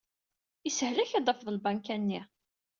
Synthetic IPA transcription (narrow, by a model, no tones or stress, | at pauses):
isəhlæçid̪ˤəfðˤəlbænkænːi